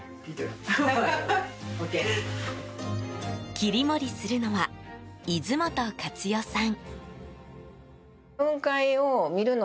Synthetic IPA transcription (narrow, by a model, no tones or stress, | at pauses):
pit̪ | oke | kʲiɾʲimo̞ɾʲisɨɾɯ̟no̞βaizɨmo̞t̪okat͡sɨjo̞sãŋ | ɯ̟̃ŋkaiomʲiɾɯ̟no